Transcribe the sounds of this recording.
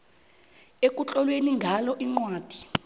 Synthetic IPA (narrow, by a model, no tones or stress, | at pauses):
ek̬ʼut͡ɬʼɔlweniŋɡʱalɔʔiŋ͡ǀwaːd̥ʱi̥